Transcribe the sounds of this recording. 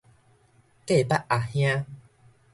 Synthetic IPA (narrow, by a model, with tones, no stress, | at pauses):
ke˥˨pa˦ʔʔa˨˩hj̃ã˦